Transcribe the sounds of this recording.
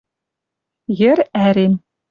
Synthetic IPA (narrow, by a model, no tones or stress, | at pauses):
jɘ̆ɾæɾem